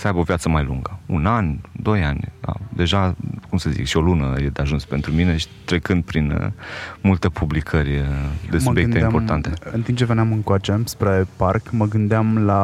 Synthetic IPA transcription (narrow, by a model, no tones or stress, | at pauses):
səajbəovijat̪səmajlṵŋɡəṵnanʲd̪o̞janʲa̰d̪e̞ʒakumsəzḭkʃio̞lunə̰jed̪eaʒunspe̞nt̪ɾumine̞ʃi̥t̪ɾe̞kɨnd̪̚pɾin | mult̪epʰublikʰəɾʲd̪e̞subbjeeiappo̞rt̪ant̪e̞ɨnt̪imt͡ʃeveneamɨŋkoat͡ʃemspɾeparkməɡɨnd̪eamla